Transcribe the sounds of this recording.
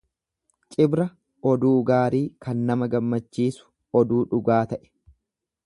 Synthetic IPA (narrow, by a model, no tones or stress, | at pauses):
t͡ʃʼɪbɾɐ | ɔd̪uːɡaːɾiːkɐnːɐmɐɡɐmːɐt͡ʃːiːsʊ̥ | ɔd̪uːᶑʊɡaːt̪ɐʔɛ̥